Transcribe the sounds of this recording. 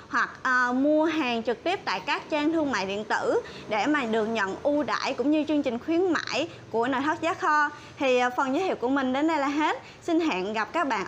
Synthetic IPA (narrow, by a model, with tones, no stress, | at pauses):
hwa˨˩k̚ʔəː˨˩mu˧əɦaː˨˩ŋt͡ɕɨ˨˩k̚t̪i˦˥əp̚t̪a̰ː˧˨jkaː˦˥k̚t͡ɕaː˧ŋt̪ʰɨ˧əŋma̰ː˧˨jɗḭ˧˨ənt̪ɨ̰˧˩ | ɗe˧˩maː˨˩ɗɨ˨˩ək̚ɲə̰˧˨nʔu˧ɗa̰ː˧˨jkʊ̰˧˥ŋ͡mɲɨ˧t͡ɕɨ˧əŋt͡ɕï˨˩ŋ̟xwi˨˦ənma̰ː˧˨j | ku˧˩əno˨˩jt̪ə˦˥t̚zaː˨˦˥xɔ˧ | t̪ʰi˨˩˨fə˨˩nzəː˨˦hi˧˨w̚ku˧˩əmï˨˩ŋ̟ɗe˨˦nɗə˧jlaː˨˩ɦe˦˥t̚ | sï˧nɦa̰ː˧˨nɣa˨˩p̚kaː˦˥k̚ɓa̰ː˧˨n